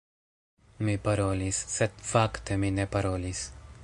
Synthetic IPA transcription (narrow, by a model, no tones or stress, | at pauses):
mipaɾolisːet̪fakt̪eminepaɾolis